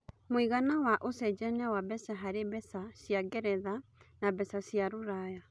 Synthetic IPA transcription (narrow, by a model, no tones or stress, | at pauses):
mwiɣanawaʔosɛd͡ʒɛnɛwabɛsɛɦaɾeβɛsasjaɡɛɾɛðanaβɛsasjaɾoɾaja